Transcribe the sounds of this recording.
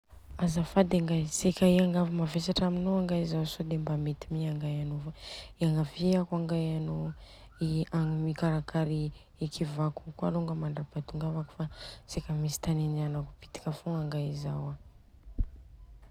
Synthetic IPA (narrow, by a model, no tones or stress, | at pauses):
azafad̪aŋɡasekaiaŋɡavimavesaʈ͡ʂaminoaŋɡaizawsod̪embamet̪imiaŋɡajanovaiaŋɡaviakwaŋɡajano | iaŋmikaɾakaɾi | ikʰivakukwaluŋɡəmaɳɖ͡ʐapat̪uŋɡavaku̥fasekamisi̥t̪anenianaku̥pi̥t̪i̥kafuŋaŋɡaizawa